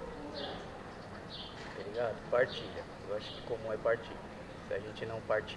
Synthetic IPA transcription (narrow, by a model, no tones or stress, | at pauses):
eɾiɡad̪ʊpaɾt͡ʃiʎɐ | ewaʃʊ̥kɪ̥komũɛpaɾt͡ʃḭʎɐ | sɪaʒẽnt͡ʃɪnɐ̃w̃paɾt͡ʃi